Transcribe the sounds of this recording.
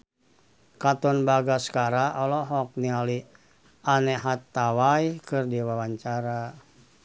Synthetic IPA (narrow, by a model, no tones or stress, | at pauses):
kat̪ɔnbaɡaskaɾaʔɔlɔɦɔk̚niali | anɛɦat̪ːawajkɨrdiwawaɲt͡ʃaɾa